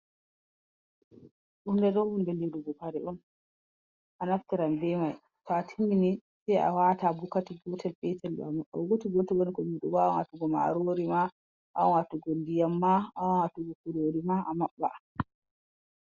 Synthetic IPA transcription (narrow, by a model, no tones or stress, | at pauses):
ɗundɛɗɔwhundɛliduɡɔpaɾɛʔɔn | ʔanaftiɾambɛmaj | tɔatʰiminisɛja̰watabukatiɡɔtɛlpɛtɛl̰ama̰wɡotiɡɔtiɡɔnkɔmiɗubanatuɡɔma̰ɾoɾima | ʔa̰watuɡondijamːaawatuɡɔkuɾoɾimaʔamaɓːa̰